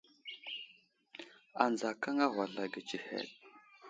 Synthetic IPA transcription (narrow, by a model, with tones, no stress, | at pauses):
a˨nd͡za˨ka˦ŋa˦ɣʷa˨ɮa˨ɡə˨t͡ʃi˨hḛ˨t̚